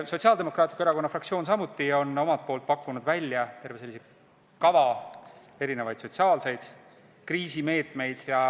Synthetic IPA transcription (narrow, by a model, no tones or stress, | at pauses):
so̞t̪ʲsiɑːld̪emo̞krɑːt̪ʲːˑikːeɾɑkonːɑfrɑkt̪sio̞ːns̬ɑmut̪ːˑio̞nːo̞mɑt̪̚po̞ːlt̪̚pɑkːˑunud̪vælʲjɑt̪e̞rve̞se̞lːise | kɑvɑ | e̞ɾine̞vɑjd̪̥so̞t̪ʲsiɑːlse̞jd̪̥ | kriːsime̞ːt̪ˑme̞jd̪̥jɑ